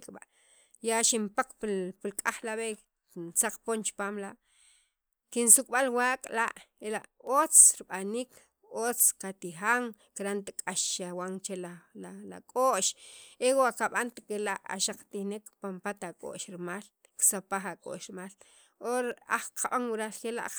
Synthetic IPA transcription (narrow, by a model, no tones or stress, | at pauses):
kʼɓaʔ | jaʃimpaq͡χppilkʼaχlaɓe | nt͡saq͡χpoːnt͡ʃpaːmlaʔ | kinsukʼɓalwaːkʼlaʔelaʔot͡sɾiɓaniːkʰ | ot͡skat̪ixaŋkiɾant̪akʼaʃawaŋt͡ʃelaala̰kʼoʔʃewaʔkaɓant̪akelaʔa̰ʃaq͡χt̪ihnekpampat̪akʼo̰ʔʃɾmaːl | ksapaχakʼo̰ʔʃɾmaːl | oɾa̰χqʰaɓaŋwiɾalxela̰ʔ